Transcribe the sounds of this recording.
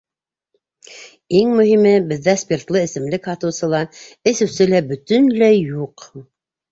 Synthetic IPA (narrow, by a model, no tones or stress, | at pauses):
iŋmɵ̆ɦimɘbɘ̆ðːæspʲert̪lˠɤɘ̆sɘ̆mlɘkhɑt̪ɤ̆wsɤ̆lˠɑɘ̆sɘ̆wsɘlæbɵ̆t̪ɵ̆nlæjjuq